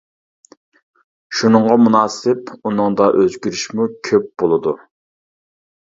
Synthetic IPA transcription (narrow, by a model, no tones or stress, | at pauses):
ʃunɨŋʁɑmunɑːsɪpunɨŋd̪ɑʔøzɡʲyɾyʃmukʲʰøp̚b̥olˠɨd̪u